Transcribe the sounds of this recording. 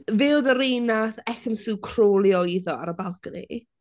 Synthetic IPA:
vɪwðəɾejnaθɛxənsɪwkʰr̥oːlˠjɔiðɔa̰ɾəbalˠkənḭ

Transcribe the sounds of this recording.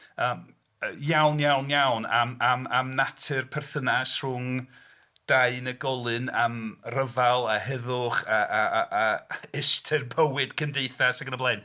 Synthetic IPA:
əːm | jawnjawnjawnamamamnatʰɨrpʰɛrθənasr̥ʊŋ | d̥aɨnəɡɔlˠɨnamrəvalˠaɦɛðʊχaː | ɛstʰɨrpʰəwɨd̥kʰəndeɨθasaɡənəblˠeɨn

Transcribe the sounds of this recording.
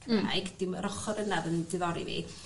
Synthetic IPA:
kʰəma̰jɡd̥ɪwəɾɔχɔɾənaðəndɪðɔɾḭvḭ

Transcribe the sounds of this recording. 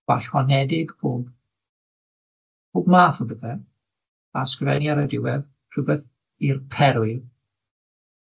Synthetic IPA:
waɬwanɛdɪɡboːb | b̥oːbmaːfəbəðɛ | askrɛnjaɾədɪwɛð | r̥ʊbɛθ | irpʰɛɾʊɨl

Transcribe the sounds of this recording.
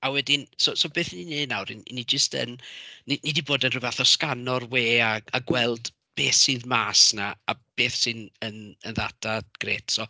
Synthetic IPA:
awɛdɪnsosobeːθninenawɾin̰nid͡ʒəstə̰nninidiboːdənrɨvaθɔskanɔrweːaaɡwɛlˠd | b̥eːθsɨːðmaːsnaab̥eːθsɨnənənða̰daɡ̥reːtʰsɔ

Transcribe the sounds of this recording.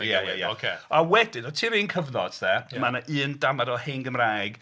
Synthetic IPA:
jaja̰jaokʰeawɛdɪnɔtʰiːɾiːnkʰəvðɔ̰d̥ðɛmanaʔɨːndamadɔhenɡəmraːjɡ

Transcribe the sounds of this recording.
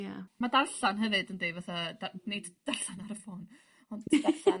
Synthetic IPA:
jamadarɬanɦəvɨdəndejvaθadanejdd̥aɬanaɾəfɔːn | ɔnddaɬan

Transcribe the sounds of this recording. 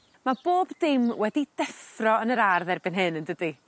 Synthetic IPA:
mab̥oːbdɪmwɛdidɛfrɔənəɾarðɛrbɪnɦɪnəndədi

